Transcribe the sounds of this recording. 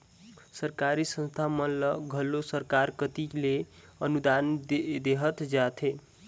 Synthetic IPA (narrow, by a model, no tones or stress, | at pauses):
səɾkaɾisə̃nst̪ʰamʌlʌɡʱʌlosəɾkaɾkət̪ile | ʌnud̪and̪eɦət̪d͡ʒat̪ʰe